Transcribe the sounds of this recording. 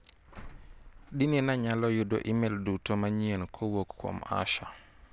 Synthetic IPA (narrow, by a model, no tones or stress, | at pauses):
ɗininaɲalɔjudo̰ʔimɛldutomaɲienkʰowokːwɔ̰ma̰ʃa